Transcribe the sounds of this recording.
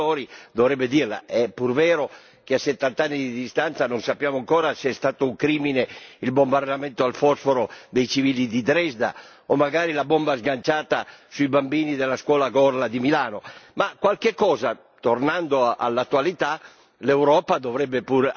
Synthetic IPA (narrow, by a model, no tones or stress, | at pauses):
ɔːɾid̪ovɾɛbːed̪iːrla̰ʔɛpːurvɛːɾo | k̟easːet̪ːant̪anːid̪id̪ist̪ant̪sanonsapːjaːmoaŋkɔːɾaseɛst̪aːt̪ouŋkɾiːmineilbombard̪amɛnt̪oalfɔsfoɾod̪ejt͡ʃiviːlid̪id̪ɾɛzd̪a̰ | omːaɡaːɾilabombazɡant͡ʃaːt̪asuibambiːnid̪elːaskwɔːlaɡɔrlad̪imilaːnomakːwalkekːɔːza | t̪ornand̪oʔa̰lːat̪ːualit̪a | lewɾɔːpad̪ovɾɛbːepur